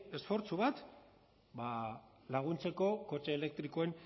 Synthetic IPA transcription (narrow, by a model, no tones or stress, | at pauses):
e̞sfo̞ɾt͡suβat̪ | ba | laɣ̞unt͡se̞ko̞ko̞t͡ʃeːle̞k̚t̪ɾiko̞e̞n